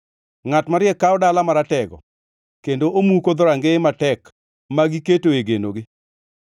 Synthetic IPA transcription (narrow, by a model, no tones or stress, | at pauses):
ŋatmaɾɪjɛkːaɔdalamaɾatɛɡɔ̰ | kendoʔomukod̪ɔɾaŋɡeɪmatɛk | maɡiketoeɡenoɡɪ